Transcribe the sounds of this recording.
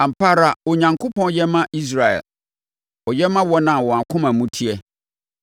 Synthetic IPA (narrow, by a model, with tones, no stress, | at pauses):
ã˨m̩˨pʰa˦ɾa˨ɔ˨ɲã˨ŋkʰʊ˦pɔ̃˦n˦jɛ˦mã˦ʔi˦s̬ɾa˨ɛ̰˨l | ɔ˨jɛ˦mã˦wɔ˦nã˨wɔ˨a˨kʰʊ̃˦mã˨mũ˦tʰi˦ɛ˦